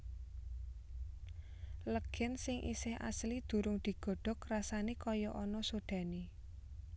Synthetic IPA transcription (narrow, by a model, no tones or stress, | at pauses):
ləɡ̥ɛ̤nsɪŋʔḭsɪha̰slid̪̥ṳɾʊŋd̪̥i̤ɡ̥ɔ̤ɖ̥ɔ̤krasanekɔjɔʔɔnɔsoɖ̪̥ä̤ne